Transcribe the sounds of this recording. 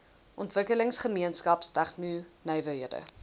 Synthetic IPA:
ʔɔntvəkələŋsχəmiənskɐpstæχnynœjvəɦiədə̰

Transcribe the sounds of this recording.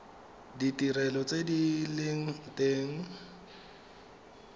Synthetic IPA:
ditʼirɛlɔt͡sʼedileŋ̩teːŋ̩

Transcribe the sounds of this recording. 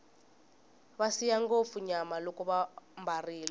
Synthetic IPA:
βasijaŋɡop̪fuɲamalɔkʼɔβambariːlɔ

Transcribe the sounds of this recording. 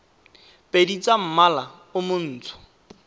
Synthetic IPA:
pʼedit͡sʼam̩mala | ʊmʊn̩ːt͡sʰʊ̥

